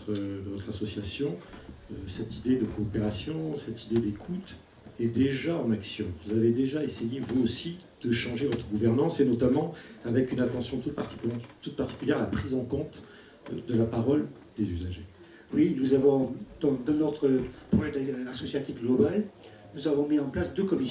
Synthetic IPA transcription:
t̪χd̪əvɔt̪χasɔsjasjɔ̃ | sɛt̪id̪ed̪əkoːpeʁasjɔ̃sɛt̪ʰid̪ed̪ekʰut̪ | ɛd̪eʒaɑ̃naksjɔ̃vuzaved̪eʒaesejevuosi | d̪̥əʃɑ̃ʒevɔt̪χəɡuvɛʁnɑ̃senɔt̪amɑ̃avɛkynat̪ɑ̃sjɔ̃t̪t̪ut̪̚paʁt̪i̥kʲyljɛʁalapχizɑ̃kɔ̃t̪ | d̪əlapaʁɔl | d̪ezyzaʒe | winuzavɔ̃d̪̥ɑ̃d̪ɑ̃not̪χəpwɛ̃d̪asɔsjat̪ifɡlɔbal | nuzavɔ̃miɑ̃plasd̪økɔmi

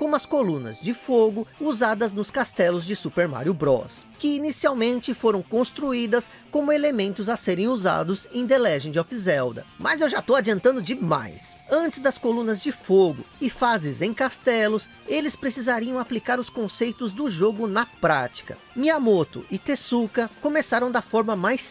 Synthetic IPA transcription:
kõmʊɐskolũnɐ̰zd͡ʒɪfoɡʊuzad̪ɐznʊskast̪ɛlʊzd͡ʒɪsupeɾma̰ɾjʊbɾɔ̰skɪinisiawmẽnt͡ʃɪfoɾɐ̃w̃kõst̪ɾuid̪ɐs | kõmʊelemẽnt̪ʊzɐseɾẽj̃uza̰d̪ʊzẽj̃d̪elɛʒẽj̃d͡ʒɪɔfizɛwd̪ɐ̰mɐzewʒat̪owad͡ʒiɐ̃nt̪ɐ̃nd̪ʊd͡ʒɪma̰jsɐ̃t͡ʃɪzd̪ɐskolũnɐzd͡ʒɪfoɡʊ̰ɪfazɪzẽj̃kast̪ɛlʊs | elɪspɾesizaɾiɐ̃w̃aplikaɾʊskõsejt̪ʊzd̪ʊʒoɡʊnɐpɾa̰t͡ʃi̥kɐ̰ | miamot̪ʊ̰ʔɪt̪esukɐkomesaɾɐ̃w̃d̪ɐfɔɾmɐmajs

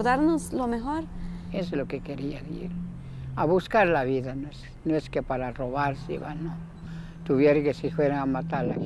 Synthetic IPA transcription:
ɾðaɾnoslomexoɾeslokekeɾiaðḭɾ | aβuskaɾlaβiðanes | noeskepaɾaroβaɾsḭβa̰no | t̪uβjeɾkesixweɾaamat̪aɾla̰

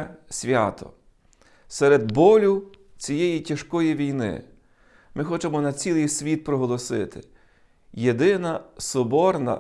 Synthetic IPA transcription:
sʲʋʲa̰t̪ɔ̰ | sɛɾed̪bɔlʲʊ | t͡sʲijɛjitʲɐʃkɔjiʋʲijnɪ̰ | mɪxɔt͡ʃemɔnɐt͡sʲilˠɨjsʲʋʲit̪̚pɾɔɦɔlˠɔsɪ̰t̪ɪ̥ | jed̪ɪnɐsɔbɔrnɐ̰

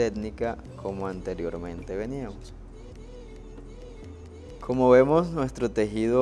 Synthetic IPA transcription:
eɡnika | kʰo̞moant̪e̞ɾjo̞ɾmẽ̞nt̪e̞βe̞niamos | kʰo̞mo̞βe̞mo̞snwe̞st̪ɾo̞t̪e̞xiðo

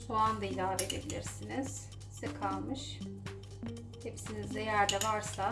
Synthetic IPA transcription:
soand̪ailaːved̪ebilʲiɾsiniz̥ | sɛkʰalˠmɯʃ | hepsinizejæɾd̪ɛvaɾsa

